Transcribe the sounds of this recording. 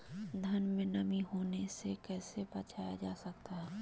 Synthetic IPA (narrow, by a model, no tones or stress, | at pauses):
d̪ʱɐnmɪ̃nɐmiɦoːnesekɛːsepɐt͡ʃʰaːja̰d͡ʒaːsɐkt̪aɦɛ